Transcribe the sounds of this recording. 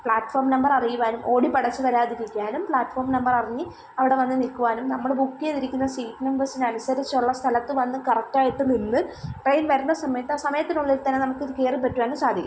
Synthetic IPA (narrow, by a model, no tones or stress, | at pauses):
pɭaːʈfoːrmnɐmbɐrɐrijuʋaːnumʔo̞ːɽipɐɽɐt͡ɕːɨʋɐɾaːðiɾikʲːaːnumpɭaːʈːfoːrmnɐmbɐrɐriɲːɨ | ɐʋiɽe̞ʋɐnːɨnilkːuʋaːnumnɐmːɐɽbukːjeðiɾikʲːunːɐsiːpnɐmbɐrsinɐnusɐɾit͡ɕːɐuɭːɐst̪ʰɐlɐt̪ːɨʋɐnːɨkɐrɐk̚ʈaːjiʈːɨninːɨʈrejnʋɐɾunːɐsɐmɐjɐt̪ːɨaːsɐmɐjɐt̪ːinuɭːiɾt̪ɐnːenɐmukːɨðɨke̞ːripɐtːuʋaːnumsaːd̪ʱikʲːum